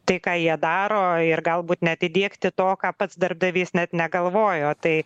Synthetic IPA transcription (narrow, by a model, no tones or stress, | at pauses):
t̪ɐɪkɑːjiɛd̪ɑːɾoːɪɾɡɐlˠbuːt̪nʲɛɐt̪ʲɪdʲiɛkt̪ʲɪt̪oːkɑːpɐt̪sd̪ɐɾb̚d̪ɐʋʲiːsnʲɛt̪nʲɛɡɐlˠʋoːjoːt̪ɐɪ